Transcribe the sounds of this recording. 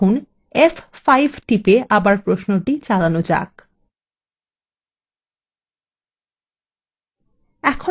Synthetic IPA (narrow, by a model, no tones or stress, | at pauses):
un | effajbʱʈipeʔabaɾpɾoʃnoʈit͡ɕalanod͡ʑa̰k | ɛkʰo